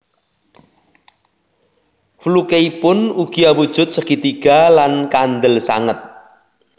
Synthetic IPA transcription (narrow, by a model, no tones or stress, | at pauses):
flukeipʊnuɡ̥iawud̥ʒ̥ʊt̪̚səkit̪iɡ̥a̤lankand̪əlsa̰ŋət̪̚